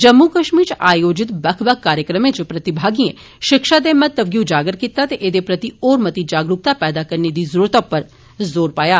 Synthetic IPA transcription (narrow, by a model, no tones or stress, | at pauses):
d͡ʒəmːukəʃmiːɾt͡ʃaːjoːd͡ʒɪt̪bəkʰbək̚ʰkːaːɾjəkɾəmẽːt͡ʃpɾət̪ɪbʱaːɡiːẽː | ʃɪkʃaːd̪eːmət̪ːəbɡjũːd͡ʒaːɡəɾkit̪aːt̪eʔed̪eːpɾət̪ioːɾmət̪id͡ʒaːɡɾʊk̚t̪aːpɛːd̪aːkəɾned̪iːzəɾuːɾət̪ːʊpəɾ | zoːɾpaːjaː